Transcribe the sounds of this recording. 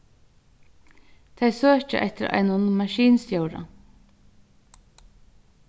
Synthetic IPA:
t̪ʰejsøːt͡ʃə̰ʔɛ̰ht̪ɪɾa̰ɪnʊnmɑʃiːnst̪jœwɾa̰

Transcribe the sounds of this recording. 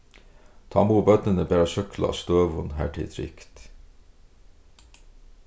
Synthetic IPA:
t̪ʰɑ̰ːmuːbœt̪nənəbeːɾɑʃœklɑ̰st̪øːʋʊnɦæ̰ːʈʰɪ̰t̪ʰɾʏ̰kt̪

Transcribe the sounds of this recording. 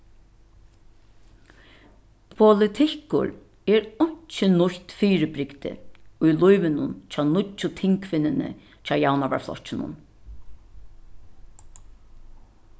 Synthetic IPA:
pʰʊlɪt̪ʰɪhkʊ̰ɾ | ɛːɾʊɲ̥t͡ʃɪnʊçt̪fiːɾɪbɾɪkt̪ɪ̰ʊjlʊjʋɪnʊnt͡ʃʰaːnʊt͡ʃːʊt̪ʰɪŋkʰfɪnːɪnɪ̰ | t͡ʃʰaːwjawnaʋa̰ɹflɔ̰ht͡ʃɪnʊ̰n

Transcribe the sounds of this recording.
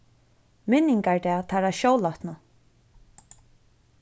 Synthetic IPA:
mɪnːɪŋkaɹd̪ɛːt̪ʰaɾaʃowlaht̪nə

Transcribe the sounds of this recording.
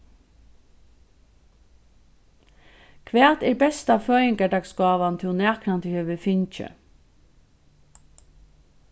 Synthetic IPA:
kʰʋæːt̪ɛːɹbɛst̪aføːjɪŋkaɖɑkskɑːʋant̪ʰɪnæːknant̪ʰəhœːʋəfɪɲt͡ʃə̰

